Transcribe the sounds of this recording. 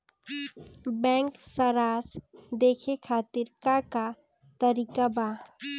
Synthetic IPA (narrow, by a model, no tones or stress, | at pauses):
bɛ̃ːŋksəɾaːsd̪eːkʰekʰaːt̪ɪɾkaka | t̪əɾiːkaba